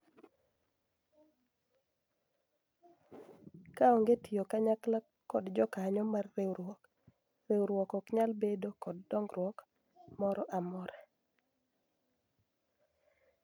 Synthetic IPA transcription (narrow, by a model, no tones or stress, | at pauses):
kaoŋɡetɪjokaɲakla | kːɔdd͡ʒɔkaɲɔmarːe | rewɾwɔkɔkɲalbedokɔdːɔŋɡɾwɔk | mɔɾɔʔamɔɾɛ